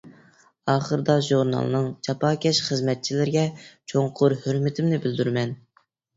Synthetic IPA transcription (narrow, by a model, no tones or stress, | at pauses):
ɑːχəɾɨd̪ɑʒuɾnɑ̰lˠnɨŋt͡ʃʰɑpʰɑːkʲɛʃχəzmɛt̪̚t͡ʃʰilɪɾɡʲɛt͡ʃʰoŋqʰʊɾhøɾmɪt̪ʰɪmnɪbɪld̪yɾmɛn